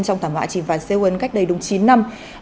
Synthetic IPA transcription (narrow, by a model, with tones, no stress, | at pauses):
nt͡ɕɔ˧wŋ͡mt̪ʰaː˧˩mhwa̰ː˧˨t͡ɕi˨˩nvaː˨˩se˧wə˨˦nka˦˥k̚ɗə˧jɗʊ˨˩ŋ͡mt͡ɕi˨˦nːa˧m